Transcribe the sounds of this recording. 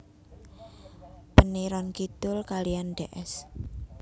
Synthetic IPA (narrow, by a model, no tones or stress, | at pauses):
pəniɾɔnkit̪ʊlkalijanɖeʔɛs